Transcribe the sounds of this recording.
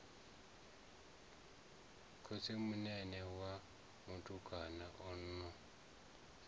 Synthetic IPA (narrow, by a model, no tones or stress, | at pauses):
kʰʊsemʊnɛnɛwa | mutʼuɡʱanaʔʊn̩ːnːɔ